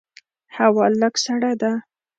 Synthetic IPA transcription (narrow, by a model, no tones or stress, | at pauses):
hawɑlləksaɽad̪a